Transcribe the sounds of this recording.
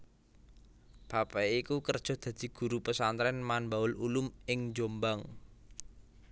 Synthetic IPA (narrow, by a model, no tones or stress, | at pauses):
b̥a̤pɛikukərd̥ʒ̥ɔ̤d̪̥ä̤d̪̥i̤ɡ̥ṳɾupəsant̪ɾɛnmanbaʊlulʊmɪŋd͡ʒombaŋ